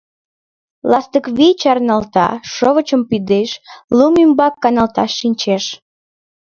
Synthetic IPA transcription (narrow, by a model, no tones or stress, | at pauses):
lɑst̪əkβit͡ɕɑrnɑlt̪ɑ̰ʃoβət͡ɕəmpyd̪eʃlumymbɑkːɑnɑlt̪ɑʃːinʲt͡ɕeʃ